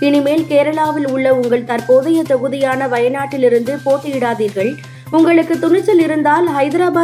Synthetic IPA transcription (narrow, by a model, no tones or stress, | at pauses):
ɪnɪmeːlkeːɾɐɭaːʋɪlʊɭːɐʊŋɡɐɭt̪ɐɾpoːðɐjɐt̪ɐɣɯðɪjaːnɐʋɐjɐnaːʈːɪlɪɾɯnd̪ɯpoːʈːɯjɪɽaːðiːɾɣɐɭ | ʊŋɡɐɭɯkːɯt̪ːʊɳɪt͡ʃːɐlɪɾɯnd̪aːlɦɐɪðɪɾaːbaː